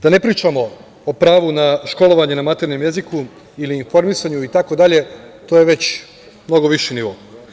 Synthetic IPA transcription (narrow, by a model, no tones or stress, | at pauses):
d̪̥anepɾiːt͡ʃamo̞ | opɾaːʋunaʃko̞lo̞ʋaɲenamat̪e̞ɾɲemjeziku | iliːnfo̞ɾmisaɲuit̪ako̞d̪aʎe̞t̪oːjeʋe̞t͡ɕ | mno̞ɡo̞ʋiʃiniʋo̰